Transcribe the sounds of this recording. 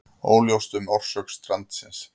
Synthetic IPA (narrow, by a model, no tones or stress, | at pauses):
o̰ːwljowst̪ʏmɔr̥sœkst̪ɾant̪sɪns